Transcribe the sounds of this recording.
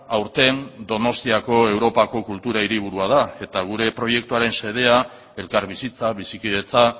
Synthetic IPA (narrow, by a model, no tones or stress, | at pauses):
awɾt̪e̞nd̪o̞no̞st̪iako̞e̞wɾo̞pako̞kult̪uɾaiɾiβ̞uɾuað̞ae̞t̪aɣ̞uɾe̞pɾo̞je̞k̚t̪uaɾe̞nse̞ð̞e̞a | e̞lkaɾβisit͡saβ̞isikiet͡sa